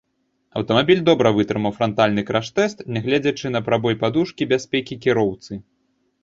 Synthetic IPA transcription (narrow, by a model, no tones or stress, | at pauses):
ɐ̰wt̪ɐmabʲilʲd̪ɔbɾɐvɨt̪ɾɨmɐwfɾɔnt̪alʲnɨkɾaʂt̪ɛst̪nʲɛaɣlʲɛd͡zʲɐt͡ʂɨnɐpɾabɔjpad̪uʂkʲibʲasʲpʲɛkʲikʲiɾɔwt̪sɨ